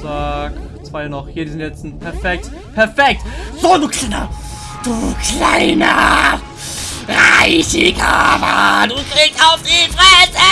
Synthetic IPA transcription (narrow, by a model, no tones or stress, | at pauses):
tak | t͡sv̥aɪnɔχhiːɐdiːzɪntɛt͡sn̩pʰɛɐfɛk̚t | pʰɛɐfɛk̚tz̥ondukʰl̥aɪnɐ̰ | d̥uːkʰla̰ɪnɐ̰ | ʁaɪçɪkʔa̰bɐ̰duːkʁiːktaʊfd̥iːfʁatɛ